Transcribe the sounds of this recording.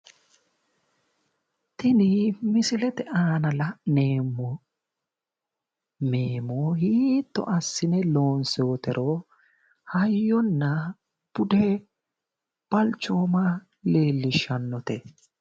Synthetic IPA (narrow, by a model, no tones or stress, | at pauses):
t̪ɪnɪmɪsɪlɛt̪ɛʔaːnɐlɐneːmːɔ | meːmɔhiːt̪ːɔ̰ʔɐsːɪnɛlo̞ːnseːt̪ɛɾʔo | hɐjːɔnːɐ | b̥ʊd̪ɛ | b̥ɐlt͡ʃːoːmɐ | le̞ːlːɪʃːɐnːɔt̪ɛ